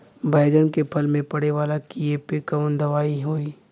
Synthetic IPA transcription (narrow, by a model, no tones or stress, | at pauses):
bʱaːɪɾənkepʰɐlmẽpɐɽeʋaːlakiepekaʊnd̪ɐʋaːiɦoːi